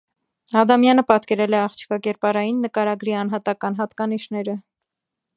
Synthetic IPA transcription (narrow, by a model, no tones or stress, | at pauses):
ɑd̪ɑmjɑnəpɑt̪kɛɾɛlɛɑχt͡ʃʰi̥kɑkɛɾpɑɾɑjinːəkɑɾɑɡɾiɑn̪ɦɑt̪ɑkɑnɦɑt̪kɑniʃnɛɾə